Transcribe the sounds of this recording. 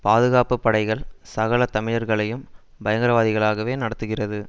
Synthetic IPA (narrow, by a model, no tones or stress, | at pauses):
paːðɯɣaːpɯpːɐɽɐɪɣɐɭsɐɣɐɭɐt̪ɐmɪɻɐɾɣɐɭɐjɯm | bɐjɐŋɡɪɾɐʋaːðɪɣɐɭaːɣɐʋeːnɐɽɐt̪ːɯɣɪrɐðɯ